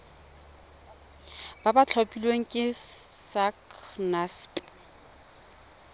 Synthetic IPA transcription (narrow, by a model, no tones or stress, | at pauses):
babat͡ɬʰopʼilweŋ̩kʼɪ | saknaspʼ